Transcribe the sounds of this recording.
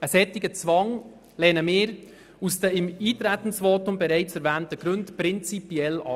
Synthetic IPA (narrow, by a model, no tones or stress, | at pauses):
əsɛtɪɡ̥ət͡svɑŋ | lɛnəmɪːɾ | usd̥əɪmiːtɾætn̩svoːtʊmbɛɾɛɪt͡sɛɾvɛːntəɡ̥ɾɵntpɾɪnt͡sipjɛlɑ